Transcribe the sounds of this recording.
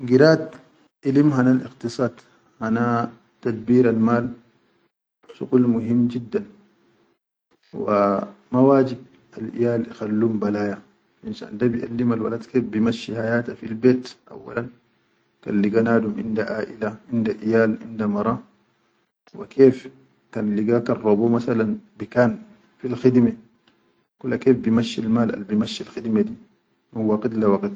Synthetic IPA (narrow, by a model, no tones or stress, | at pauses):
ɡiɾaːt̪ | ʔilimɦanalʔḭqt̪isˤɑːd̪ | hana | t̪ad̪̚biːɾalmaːl | ʃṵquːlmuɦimːd͡ʒid̪ːan | wa̰mawaːd͡ʒib̚ | alʔḭjaːlixalːuːmbalaːja | insa̰ndabiʔa̰lːimalwa̰lad̪keːfbimaʃːihajaːt̪afilbeːt̪ʔa̰wːa̰lan | ka̰nliɡanaːdumʔḭndaʔaːʔilaʔindaʔijaːlʔḭndamɑɾˤɑ | wḭkʰeːf | kanliɡakarˤobomasalanbikaːn | filxid̪me | kulːakeːfbimaʃːilmaːlʔa̰lbimaʃːilxid̪med̪i | minwaɡit̪lawaɡt̪